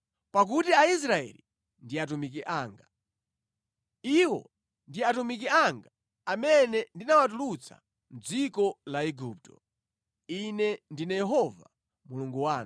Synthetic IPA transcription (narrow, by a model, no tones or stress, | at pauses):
pak̬utiais̬ɾaɛ̰li | ndiat̬umik̬iʔaːŋɡa | iwɔ̰ | ndiatumik̬iaŋɡa | amɛnɛndinawat̬ulut͡sʰa̰ | m̩d͡zikɔlaɛɡup̚tɔ̰ | inɛndinɛjɛɦɔva̰ | muluŋɡuwaːn